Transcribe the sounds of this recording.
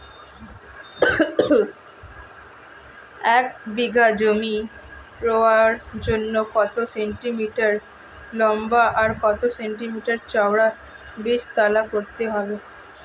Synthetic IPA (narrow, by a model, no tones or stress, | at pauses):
ɛk̚biɡʱad͡ʑomipɾoaɾd͡ʑonːokɔt̪oseɳʈimiʈaɾ | lɔmbaʔaɾkɔt̪oseɳʈimiʈaɾt͡ɕaoɽa | beʃt̪alakoɾt̪eɦɔbe